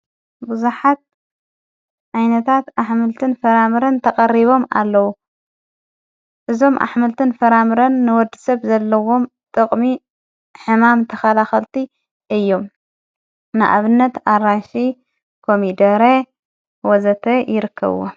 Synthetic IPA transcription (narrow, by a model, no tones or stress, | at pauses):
bɨzuħat̪̚ | ʕajnɐt̪ʰat̪aħmɨlt̪ʰɨnfɐɾamɨɾɐnt̪ʰɐkʼɐriβo̞ma̰lːɐwu | ʔɨzo̞mʔa̰ħmɨlt̪ʰɨnfɐɾamɨɾɐnːɨwɔd̪ːɨsɐβzɐlːɐwo̞m | t̪ʼɨkʼmi | ħɨmamt̪ʰɐxɐlaxɐlt̪ʰi | ʔɨjːo̞m | nɨʔa̰βɨnːɐt̪aɾaʃi | kʰomid̪ɐɾe | wɔzɐt̪ʰɐjɪɾɨkʰːɐ̰β̰wo̰